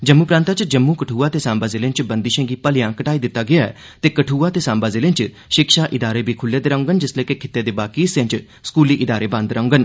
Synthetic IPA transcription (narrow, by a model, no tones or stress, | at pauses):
d͡ʒəmːuːpɾãːnt̪aːt͡ʃd͡ʒəmːũːkəʈʰuːaːt̪eːsãːmbaːzeːlẽnt͡ʃbənd̪iːʃə̃ːɡiːpəlɪjãːkəʈaːiːd̪ɪt̪ːaːɡɪaɛ̰ | t̪eːkəʈʰuːaːt̪eːsãːmbaːzeːlɪ̃nt͡ʃ | ʃɪkʃaːʔɪd̪aːɾeːbʱiːkʰʊlːeːd̪əɾãʊ̃ŋɡənd͡ʒɪsleːkekʰɪ̥t̪ːeːd̪eːbaːkisẽnt͡ʃ | skuːliːʔɪd̪aːɾeːbə̃nd̪ɾãʊ̃ŋɡən